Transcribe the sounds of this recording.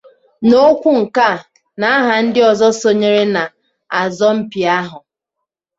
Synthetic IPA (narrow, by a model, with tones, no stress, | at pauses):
no˦kʷu˦ŋ̩˨ka˦˨ | na˨a˦ɦa˨n̩˦dɪ˦ɔ˨zɔ˦so˨ɲe˦ɾe˦na˨ | a˨zɔ˦m̩˦pi˨a˦ɦʊ˨